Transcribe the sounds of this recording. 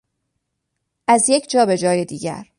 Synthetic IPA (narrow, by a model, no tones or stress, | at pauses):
ʔæzje̞cʰd͡ʒɒːbe̞d͡ʒɒːje̞d̪iːɟæ̰ɾ